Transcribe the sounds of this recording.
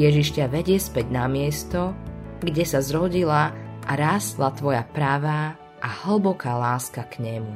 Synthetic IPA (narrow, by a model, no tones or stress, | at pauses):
jɛʒiʃcaʋɛɟɪɛspɛɟnamɪɛst̪ɔɡɟɛsazɾɔɟilaʔːɾaːslat̪ʋɔjapɾaʋa | ʔahl̩bɔkaːlaːskakɲɛmu